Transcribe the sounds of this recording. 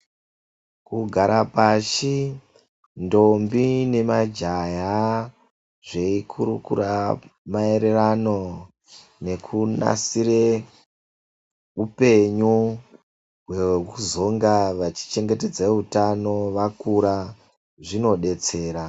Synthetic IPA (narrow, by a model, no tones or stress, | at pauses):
kuɡʱaɾapaʃi | ndo̞mbine̞mad͡ʒaja | ʐe̞ikʰuɾukṵɾamae̞ɾe̞rano̞ | ne̞kʰuna̰siɾe̞ | upe̞ɲu | ɦwe̞uzo̞ŋɡaʋat͡ʃi̥t͡ʃe̞ŋɡe̞te̞d͡zautano̞ʋakuɾa | ʐino̞ɗe̞t͡se̞ːɾa